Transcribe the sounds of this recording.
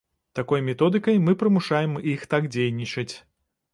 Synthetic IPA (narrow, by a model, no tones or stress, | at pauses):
t̪akɔjmʲɛt̪ɔd̪ɨkɐjmɨpɾɨmuʂajɛmixt̪aɡd͡zʲejnʲit͡ʂɨt͡sʲ